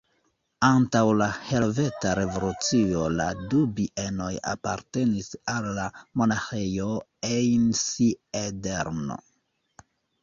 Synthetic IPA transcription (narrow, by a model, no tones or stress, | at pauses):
antawlahe̞ve̞taɾe̞vo̞lut͡sio̞la̰dubiʔe̞no̞ja̰pa̰ɾte̞nisalːamo̞naxejo | ejnsiedeɾno̞̰